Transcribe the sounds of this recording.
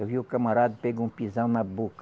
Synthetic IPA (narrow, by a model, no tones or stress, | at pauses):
ewviʊkɐmaɾad̪ɐpɛɡũpizɐ̃w̃nɐbok